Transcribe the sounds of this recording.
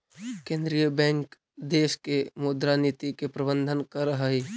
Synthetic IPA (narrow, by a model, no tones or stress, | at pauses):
kẽːnd̪ɾijəbɛ̃ːŋk | d̪eːʃkemoːd̪ɾaniːt̪ikepɾɐbə̃nd̪ʱənkəɾəɦəɦiː